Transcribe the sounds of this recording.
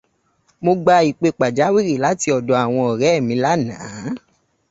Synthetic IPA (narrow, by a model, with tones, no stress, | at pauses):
mo˧ɡ͡ba˧i˨k͡pe˧k͡pa˨d͡ʒa˨˦wi˦˨ɾi˦˨la˨˦ti˧ɔ˨dɔ˨a˨w̃ɔ̃˧ɔ˨ɾɛ˨˦ɛ˦˨mĩ˨˧˦la˦nãː˨˦